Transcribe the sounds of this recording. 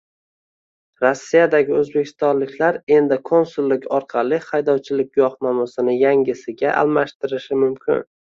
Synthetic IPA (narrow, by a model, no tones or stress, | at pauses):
ɾosːijad̪aɡʲɪɵzbe̞kʲʰɪ̥st̪ɒnlɪkʲlaɾe̞nd̪ɪkʰo̞nsulˠːɪkʲʰɒɾqʰɑlˠɪhɑjd̪ɒwt͡ʃʰɪlɪkʲjɒχnɒmʊsɪnɪjaŋʲɪsɪɡʲaʔa̰lˠmaʃt̪ɪɾɪʃɪmʊmkʲʰɪ̰n